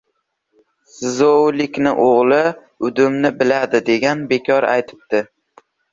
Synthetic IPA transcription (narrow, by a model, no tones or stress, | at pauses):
sɪzowlɪkʲnɪʔoʁlˠɪ | ʊd̪ʊmnɪbɪlad̪ɪd̪e̞ɡʲanbe̞kʲʰɒɾa̰jt̪ʰɪ̥p̚d̪̥ɪ